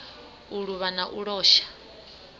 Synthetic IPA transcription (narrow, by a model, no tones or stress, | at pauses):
uɺuβanaʔuɺɔːʃḁ